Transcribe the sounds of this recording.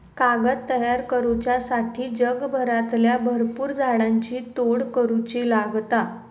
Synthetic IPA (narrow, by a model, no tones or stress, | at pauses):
kaɡət̪ːəjaɾkəɾut͡ɕjasaʈʰiːd͡ʑəɡbʱəɾat̪ljabʱəɾpuːɾd͡zʱaɽaɲt͡ɕiːt̪oɽkəɾut͡ɕiːlaɡt̪a